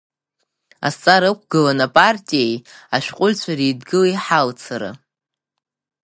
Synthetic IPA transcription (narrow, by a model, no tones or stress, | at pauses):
a̰st͡sʼaɾɨk̚ʷʰʼɡɨlanapʼartʼijejaʃᶣqʷʼʊlʲt͡ɕʷʰaɾidɡɨlajħalt͡sʰaɾa̰